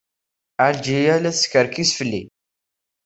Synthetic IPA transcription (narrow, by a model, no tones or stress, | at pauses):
aɾd͡ʒijælæskəɾkisfəlːi